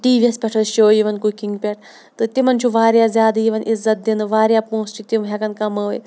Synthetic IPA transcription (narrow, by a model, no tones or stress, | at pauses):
ʈiːʋiɐspʲɛʈʰɐʃoːjiʋɐnkukiŋɡpʲɛʈ̚ʰ | t̪ɨt̪imɐnt͡ʃʰuʋaːɾjaːzʲjaːd̪ɐjiʋɐnʔizːɐt̪̚d̪inɨʋaːɾjaːpõːst͡ʃʰit̪imɦʲɛkɐnkɐməːʋj